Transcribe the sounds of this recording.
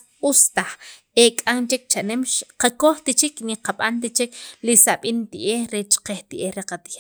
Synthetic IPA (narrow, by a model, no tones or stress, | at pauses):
ust̪aχ | ekʼaŋt͡ʃek̚t͡ʃaʔnemʃqakoχt̪it͡ʃikniqaɓant̪̬it͡ʃiklisaɓint̪iʔehɾet͡ʃqeht̪iʔehɾeqat̪ia